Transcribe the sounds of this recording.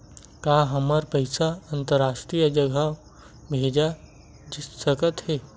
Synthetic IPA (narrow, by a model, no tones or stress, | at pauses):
kaːɦɐməɾpəɪsaɐ̃nt̪əɾaːsʈɾijad͡ʒɐɡa | bʱeːd͡ʒa | d͡ʒɪsːəkət̪hɛː